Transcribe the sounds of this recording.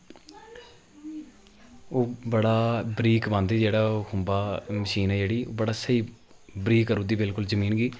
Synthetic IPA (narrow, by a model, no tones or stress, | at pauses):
oːbəɽaːbɾiːkbə̃nd̪iːd͡ʒeːɽaːoːkʰʊmbaːməʃiːnɛːd͡ʒeːɽiːoːbəɽaːsəiː | bɾiːkːəɾũːd̪iːbɪlkʊlzəmiːnɡiː